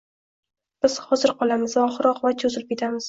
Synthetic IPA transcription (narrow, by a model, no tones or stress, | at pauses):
b̥ɪz̥hɒzɪɾqʰɒlˠamɪzvaɒχɾɒqvat͡ʃʰozɪlɪp̚kʲet̪ʰamɪz̥